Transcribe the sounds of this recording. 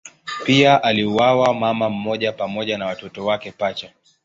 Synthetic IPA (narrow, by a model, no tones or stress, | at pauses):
piaʔaliuwawamamam̩mɔʄapamɔʄanawatɔtɔwakɛpat͡ʃa